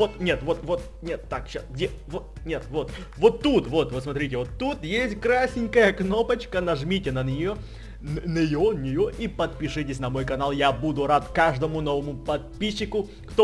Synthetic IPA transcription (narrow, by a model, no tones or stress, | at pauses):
vot̪nʲe̞t̪vot̪vo̞t̪ | nʲet̪ːakɕasɡdʲe | vot̪nʲet̪vo̞t̪ | vot̪ːut̪vo̞t̪vot̪smɐt̪ɾʲitʲɪvot̪ːut̪jesʲt̚ʲkɾasʲɪnʲkəjəkno̞pət͡ɕkənɐʐmʲitʲɪnənʲɪjo | nʲɪjonʲɪjoʔipət̪pʲɪʂɨtʲɪsʲnɐmo̞jkɐnalˠjabud̪ʊɾat̪kaʐd̪əmʊno̞vəmʊpɐt̪̚pʲiɕːɪkʊ | kt̪o